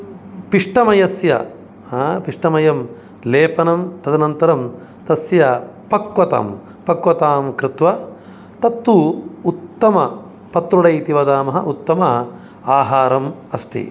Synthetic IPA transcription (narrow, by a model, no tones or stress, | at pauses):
piʂʈɐmɐjɐsjɐ̰ | piʂʈɐmɐjɐm | leːpɐnɐmt̪ɐd̪ɐnɐnt̪ɐɾɐm | t̪ɐsjɐ | pɐkʋɐt̪ɐ̰m | pɐkʋɐt̪aːmkɾɪt̪ʋɐ | t̪ɐt̪ːuut̪ːɐmɐ | pɐt̪ɾuɽɐjt̪iʋɐd̪aːmɐɦɐ̰ʔut̪ːɐmɐ | aːɦaːɾɐmɐst̪ḭ